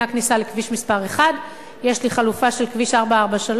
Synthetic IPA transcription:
aknisalekviʃmispaʁe̞χad | jeʃliχalufaʃe̞lkviʃaʁbaaʁbaʃal

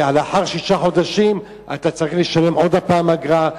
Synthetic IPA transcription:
aleaħaʁʃiʃaħo̞d̪aʃim | a̰t̪at͡saʁiχliʃalemʔo̞d̪apaːmaɡʁa

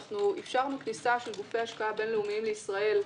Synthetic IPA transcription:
χnuifʃaʁmaknisaʃelɡufe̞haʃkaabe̞nleumiimleisʁae̞l

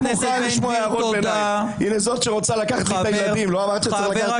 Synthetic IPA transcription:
muχaliʃmoajaːvod̪benaj | inezo̞t̪ʃeʁo̞t͡salakaχat̪lipejlad̪imlo̞amaʁt̪iʃeaχlaa

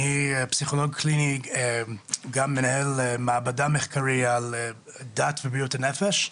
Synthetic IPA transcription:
hipsiχolɔɡ̚kʰlini | ɡamːɛnahɛlmaːbadamɛχkʰaɾial | datvibijutanɛfɛʃ

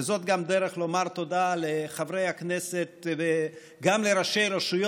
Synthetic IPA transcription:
zo̞t̪ɡamd̪eʁeχlo̞maʁt̪o̞daleχavʁejhakneset̪̚ve | ɡamleɾaʃejɾeʃujo

